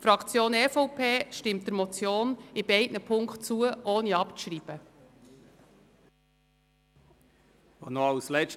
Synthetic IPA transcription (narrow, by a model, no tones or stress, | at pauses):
fɾɑkt͡sjoːnɛːfɔʊpʰeːʃtɪmt̚d̥əɾmɔt͡sjoːnɪbɛɪtnəpʰʊŋkχtt͡suəʔɔːniɑpɾiːb̥ə | onoawslɛt͡ʃ